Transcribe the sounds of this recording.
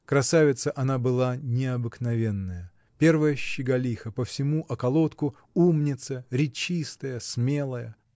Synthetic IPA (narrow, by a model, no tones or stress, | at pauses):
kɾɐsavʲɪt̪səʔɐnabɨlˠanʲɪɐbɨknɐvʲe̞nːəjə | pʲe̞rvəjəɕːɪɡɐlʲixəpəfsʲɪmuʔɐkɐlˠot̪kʊ | umnʲɪt̪səɾʲɪt͡ɕist̪əjəsmʲe̞lˠəjə